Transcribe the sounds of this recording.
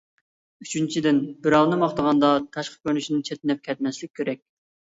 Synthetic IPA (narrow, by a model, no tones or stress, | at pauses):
y̥t͡ʃʰynt͡ʃʰid̪ɪnbɪɾɑwnɨmɑχt̪əʁɑnd̪ɑt̪ʰɑʃqə̥kʲønyʃinɪt͡ʃʰɛt̪ɪnɛp̚kʲʰɛt̪mɛslɪkʲːʰeɾɛkʲ